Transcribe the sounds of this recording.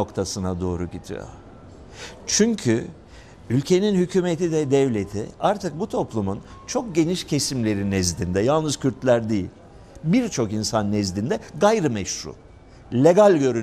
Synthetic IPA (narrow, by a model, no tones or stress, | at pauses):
o̞kt̪ʰasɯnad̪o̞ːɾuɟit̪ʰḭjo̰ | t͡ʃʰyɲcʰy | ylʲcʰe̞ninhycʰyːme̞t̪id̪ɛd̪ɛvlʲe̞t̪ʰḭaɾt̪ʰɯk̚but̪ʰo̞plˠumun | t͡ʃʰo̞k̚ɟe̞niʃcʰe̞simlʲe̞ɾinɛzd̪ind̪ɛjalˠnɯz̥cʰyɾt̪lʲæɾd̪ejḭlʲ | biɾt͡ʃʰo̞kinsanːɛzd̪ind̪ɛɡajɾɯmɛʃɾṵ | lʲeɡalʲɟø̞ɾy